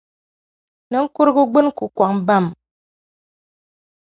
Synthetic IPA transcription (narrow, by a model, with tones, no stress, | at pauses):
ne˨ŋ̩˦ku˦ɾɡu˦ɡ͡bɨ˦n˦ku˨kwa˨k̚m̩˦ba˦˨m